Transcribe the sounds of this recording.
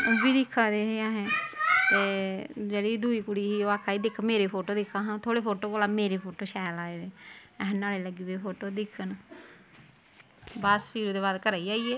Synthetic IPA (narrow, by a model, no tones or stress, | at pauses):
obiːd̪ɪkʰːãːd̪eːɦeːãːɦɛ̃ːt̪eːd͡ʒeːɽid̪uːiːkʊɽiːɦiːoːaːkʰːaːiːd̪ɪkʰmeːɾeːpʰoːʈoːd̪ɪkʰːãːɦãːt̪ʰoːɽeːpʰoːʈoːkoːlaːmeːɾeːpʰoːʈoːʃɛːlaːeːd̪eːɛɦnaːleːləɡiːbepʰoːʈoːd̪ɪkʰːən | baːspʰiːɾoːd̪eːbaːd̪kəɾaːiːaːiːeː